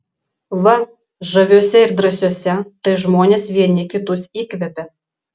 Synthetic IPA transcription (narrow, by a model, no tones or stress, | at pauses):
ʋɐ | ʒɐʋʲoːsʲɛɪɾd̪ɾɐsʲoɔsʲɛt̪ɐɪʒmoːnʲeːsʋʲiɛnʲɪkʲɪt̪ʊsiːkʋʲɛpʲɛ